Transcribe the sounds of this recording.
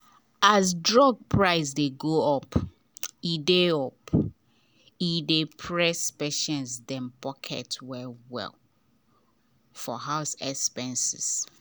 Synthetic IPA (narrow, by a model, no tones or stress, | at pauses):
asdɹɔɡ̚pʰɹaɪs̬deɡoɔp | ideɔp | idepʰɹɛspeʃɔ̃nsdɛ̃mpɔkʰɛ̰twɛwɛ̰l | fɔɦaʊsɛkspɛ̃nsɪs